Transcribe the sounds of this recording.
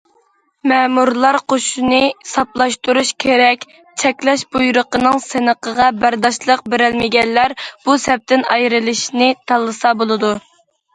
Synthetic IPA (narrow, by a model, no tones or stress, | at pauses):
mɛmuɾlˠɑɾqʰoʃunɨsɑplˠɑʃt̪uɾuʃkʲʰeɾɛkʲ | t͡ʃʰɛkʲlɛʃbujuɾəqənɨŋsɪnəqʰəʁɑbæɾd̪ɑʃlˠəq̚beɾɪlmɪɡʲɛnːæɾb̥usɛp̚t̪ɪnɑjɾɨlˠɨʃnɪt̪ʰɑlˠːɨsɑbolˠɨd̪u